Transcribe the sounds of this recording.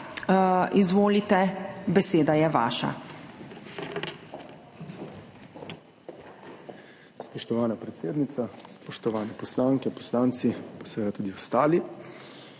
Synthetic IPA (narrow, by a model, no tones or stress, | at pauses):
izʋoːlit̪ɛbɛseːd̪ajɛʋa̰ːʃa̰ | spɔʃt̪ɔʋaːnapɾɛt̪seːd̪nit̪saspɔʃt̪ɔʋaːnɛpɔslaːŋkɛpɔ̥slaːnt̪sipḁsɛʋeːd̪at̪uːd̪iɔst̪aːli